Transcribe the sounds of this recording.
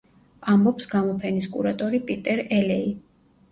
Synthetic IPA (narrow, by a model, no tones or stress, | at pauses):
ambɔpsɡamɔpʰɛniskʼṵɾat̪ʼɔɾipʼit̪ʼɛɾɛlɛi